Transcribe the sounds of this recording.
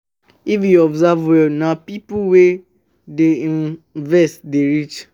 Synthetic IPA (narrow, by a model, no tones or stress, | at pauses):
ifjuɔbzavwɛnãpipuwe | deĩnvɛstdeɹit͡ʃ